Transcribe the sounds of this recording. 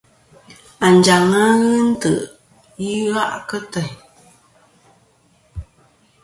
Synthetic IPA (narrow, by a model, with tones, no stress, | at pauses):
a˨n̩˨d͡ʒa˨ŋa˦ɣɨ˦n̩˦tə̰˨ʔ | ji˦ɣa˦ʔkə˦tə˨